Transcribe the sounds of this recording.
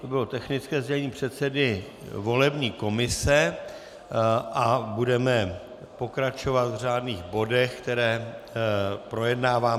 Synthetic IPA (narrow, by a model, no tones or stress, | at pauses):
t̪obɪlot̪ɛxnɪt͡skɛːzɟɛɲiːpr̝̥ɛt̪sɛdɪ | vo̞lɛbɲiːko̞mɪsɛ | ʔabudɛmɛ | po̞kɾat͡ʃo̞vat̪vraːdniːɣbo̞dɛxkt̪ɛɾɛː | pɾo̞jɛdnaːvaː